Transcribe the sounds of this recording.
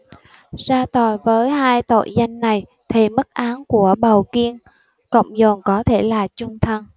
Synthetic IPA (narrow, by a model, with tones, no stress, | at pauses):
zaː˧t̪ɔ˨˩jvəː˨˦jɦaː˧jt̪o̰˧˨jza˧jŋ̟na˨˩j | t̪ʰi˨˩mə˦˥t̚ʔaː˨˦nku˧˩əɓə˨˩wki˧ən | kə̰˧˨wŋ͡mzɔ˨˩nkɔ˨˦t̪ʰe˧˩laː˨˩t͡ɕʊ˧ŋ͡mt̪ʰə˧n